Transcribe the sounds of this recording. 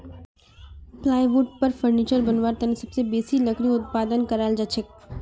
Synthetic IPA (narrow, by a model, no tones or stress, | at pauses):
plaːjbuːʈ̚pəɾfəɾniːt͡ʃəɾbɐnʋaːɾt̪ɐnisɐbsebeːsilɐkɾiʊt̪̚paːd̪ənkɐɾaːld͡ʒat͡ʃʰɪk̚